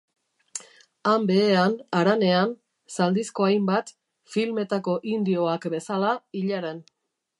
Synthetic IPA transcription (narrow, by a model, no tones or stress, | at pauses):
ambe̞ːanaɾane̞an | sald̪isko̞ajmbat̪ | filme̞t̪ako̞ʔind̪io̞akbe̞salaiʎaɾe̞n